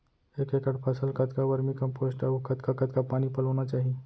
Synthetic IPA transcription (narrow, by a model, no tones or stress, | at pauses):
ekekəɽpʰasəlkat̪kaʋəɾmiːkəmposʈaukʰat̪kakat̪kapaɽ̃ipələʋɳat͡ɕaɦi